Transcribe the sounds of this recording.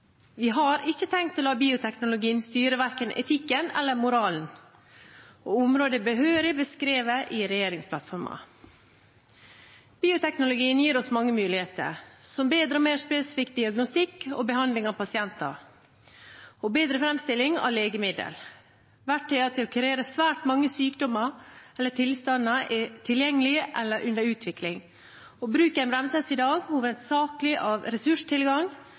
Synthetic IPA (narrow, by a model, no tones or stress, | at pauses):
ʋɪɦɑɾɪçːət̪ʰɛŋt̪ʰːɔlɑːbiːʊt̪ʰɛknʊlʊɡiːənst̪yːɾəʋæɾkənʔɛ̰t̪ʰɪkːənɛ̰lːəɾmʊɾɑːln̩ | oːʊmɾoːd̪əbəɦøːɾɪbəskɾeːʋəʔɪɾɛjeːɾɪŋspʰlɑt̪fɔɾmɑ̰ | b̥iːʊt̪ʰɛknʊlʊɡiːənjiːɾɔsmɑŋːəmʉːlɪheːt̪ə̰ɾsɔmbeːd̪ɾəoːmeːʂpeːsɪ̥fiːkd̪ɪɑɡnʊst̪ɪkːɔ̰bəhɑnd̪lɪŋɑʋpɑsɪɛnt̪ɑ̰ | ɔbeːd̪ɾəfɾɛmst̪ɪlːɪŋɑ̰ʋleːɡəmɪd̪ə̰l | ʋæʈʰːɛɑt̪ʰɪɔkʰɾeːɾəsʋæːʈmɑŋːəsyːkd̪ɔmɑɛlːəʈʰɪlst̪ɑnːɑʔɛt̪ʰɪljɛŋːəlɪʔɛlːəɾʔʉnd̪əɾʉːt̪ʰʋɪklɪŋ | ɔbɾʉːkɛɪnbɾɛmsɛsɪd̪ɑːɡhuːʋənt̪sɑːklɪʔɑʋɾɛsʉʂt̪ʰɪlɡɑŋ